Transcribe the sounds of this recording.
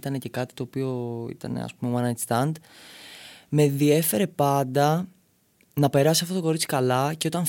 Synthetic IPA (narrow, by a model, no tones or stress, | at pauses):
t̪ɐnece̞kɐt̪i̥t̪oːpio̞ḭt̪ɐ̰ne̞̰ɐ̰spumewɐnɐst̪ɐnd̪ | me̞ðie̞fe̞ɾe̞pɐnd̪ɐ | nɐpe̞ɾɐsiɐft̪ot̪oko̞ɾit͡si̥kɐlɐce̞o̞t̪ɐn